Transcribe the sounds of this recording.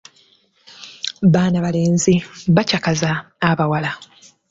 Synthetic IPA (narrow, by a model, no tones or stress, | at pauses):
βaːnaβale̞ːnziβacakazaː | βawala